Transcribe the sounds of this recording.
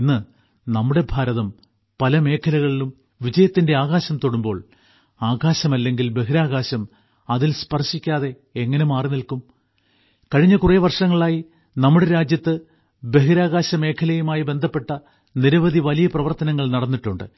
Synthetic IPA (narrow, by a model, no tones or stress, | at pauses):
nːɨ | nɐmːuɽe̞bʱaːɾɐðɐm | pɐlɐme̞ːkʰɐlɐɣɐɭilum | ʋid͡ʑɐjɐt̪ːinde̞aːɣaːɕɐmt̪o̞ɽumbo̞ːɭ | aːɣaːɕɐmɐlːe̞ŋɡilbe̞ɦiɾaːɣaːɕɐm | ɐðilspɐrʂikʲːaːðe̞ː | ŋːɐnemaːrinilkum | kɐɻiɲːɐkureːʋɐrʂɐŋːɐɭaːji | nɐmːuɽe̞ɾaːd͡ʑjɐt̪ːɨ | be̞ɦiɾaːɣaːɕɐme̞ːkʰɐlɐjumaːjibe̞nd̪ʱɐpːe̞ʈːɐ | niɾɐʋɐd̪ʱiʋɐlijɐprɐʋɐrt̪ɐnɐŋːɐɭnɐɽɐnːiʈːuɳɖɨ̰